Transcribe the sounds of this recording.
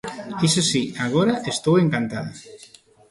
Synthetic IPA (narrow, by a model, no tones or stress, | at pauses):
isesiaɣoɾaʔest̪oweŋkant̪aða